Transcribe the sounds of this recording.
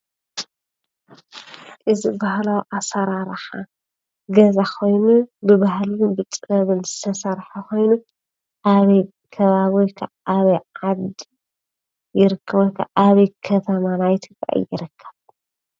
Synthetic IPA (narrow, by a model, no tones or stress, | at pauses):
ʔɨzɨbahlawʔasɐɾaɾħa | ɡɐzakʰo̞jnubɨβahlubɨt͡sʼɨɾɐβɨnzɨt̪ʰɐsɐɾħakʰo̞jnu | ʔaβɐj | kʰɐβaβojkʰa̰ʔaβɐjʕad̪ | jɪɾɨkʰːɐβojkʰːa̰ʔaβɐjkʰɐt̪ʰɐmanajt̪ʰɨkʼa̰ʔɨ̰jɪɾɨkʰːɐ̥β